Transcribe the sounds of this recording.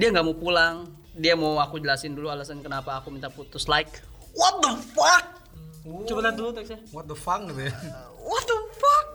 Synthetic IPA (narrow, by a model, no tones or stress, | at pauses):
diaŋɡamopulaŋ | diamawakud͡ʒəlasɪndulualasənkənapaːkumint̪aput̪ʊslaɪk | wɔt̪̚dəfak̚ | t͡ʃubat̪at̪dulut̪aksawɔt̪̚d̪əfak̚nibe | wɔt̪̚əfak̚